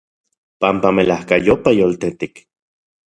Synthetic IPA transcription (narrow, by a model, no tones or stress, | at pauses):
pampamelahkajopajolt̪et̪ik